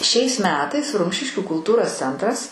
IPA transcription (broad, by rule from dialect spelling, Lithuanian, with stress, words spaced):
ʃʲɛɪs ˈmʲæːtɐɪs ˈrʊmʲʃʲɪʃʲkʲuː kʊlˠˈtuːroːs ˈt͡sʲɛntrɐs